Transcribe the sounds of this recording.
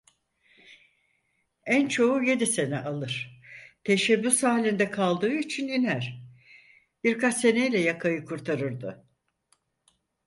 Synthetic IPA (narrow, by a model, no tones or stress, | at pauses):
ænt͡ʃʰo̞uje̞d̪ise̞nɛʔalˠɯɾ̥t̪ʰe̞ʃɛbːysaːlʲind̪ɛkʰalˠd̪ɯːit͡ʃʰininæɾ̥ | b̥iɾkat͡ʃse̞nejlʲɛjakʰajɯkʰuɾt̪ʰaɾɯɾd̪ɯ